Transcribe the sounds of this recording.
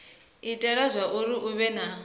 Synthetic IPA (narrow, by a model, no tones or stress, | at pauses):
itʼɛɺazʷaʔuɾiʔuβɛna